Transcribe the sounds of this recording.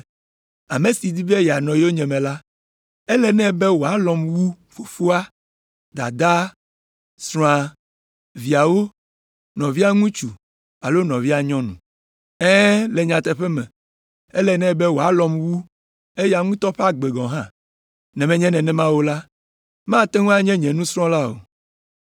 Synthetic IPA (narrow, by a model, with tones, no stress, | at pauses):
a˨me˨si˨d̪i˦be˦ja˨nɔ̃˨jo˦ɲɛ̃˨mɛ̃˨la˦ | ɛ˦lɛ˨nɛ̃˦bɛ˦wo˨a˨˦lɔ˨mwu˦ | fu˨fu˦a˦ | d̪a̰˨d̪a˦ | sɾɔ̃˦ã˨ | vi˨a˨wo˦ | nɔ̃˨vi˦a˦ŋũ˦t͡ʃu˨ | a˨lo˦nɔ̃˨vi˦a˨ɲɔ̃˦nũ˨ | ɛ̃˦lɛ˨ɲã˨t̪ɛ˨ɸɛ˦mɛ̃˨ | ɛ˦lɛ˨nɛ̃˦˨bɛ˦wo˨a˨lɔ˨mwu˦ | e˦ja˨ŋũ˦t̪ɔ˦ɸe˦a˦ɡ͡be˨ɡɔ̃˨ɦã˦ | nɛ̃˨mɛ̃˨ɲɛ̃˦nɛ̃˨nɛ̃˦mã˦wo˦la˦ | mã˦˨t̪e˦ŋũ˦a˦ɲɛ̃˦ɲɛ̃˨nũ˦sɾ̃ɔ̃˦la˦o̰˨